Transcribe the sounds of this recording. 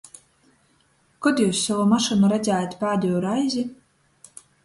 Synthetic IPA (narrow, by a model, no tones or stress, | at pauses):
kɔd̪juːsːavɔmaʃɨnuɾad̪zʲæːjt̪ʲpaːd̪ʲiɔɾajzʲi